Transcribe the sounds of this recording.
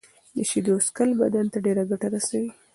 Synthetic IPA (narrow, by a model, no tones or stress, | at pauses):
d̪əʃid̪oskəlbad̪ant̪aɖeɾaɡaʈaɾasawi